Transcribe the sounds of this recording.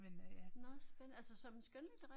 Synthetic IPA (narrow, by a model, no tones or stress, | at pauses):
menæ̥nɒsb̥enælsəsɒ̽mensɡ̥ønlid̥ʁɛ